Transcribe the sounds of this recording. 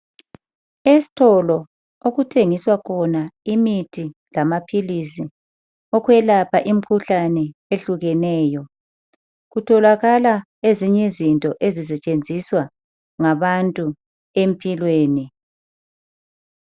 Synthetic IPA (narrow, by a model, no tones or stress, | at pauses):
esi̥tʰɔlɔ | oɣutʰeŋiswakʰɔnaimitʰilamapʰilis̬i | ɔkwɛlapʰaʔim̩kʰuɬanɛeɬuɣɛnɛːjɔ | ɣutʰɔlaɣala | eziɲɛzintʼɔʔezis̬ɛt͡ʃʼend͡zʱiswa | ŋaβantʼu | empʼilweːni